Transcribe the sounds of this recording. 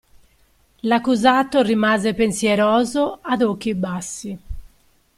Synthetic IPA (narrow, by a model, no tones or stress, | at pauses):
lakːuzaːt̪ːorimaːzɛpensjɛɾɔːzoaðok̟ːibasːi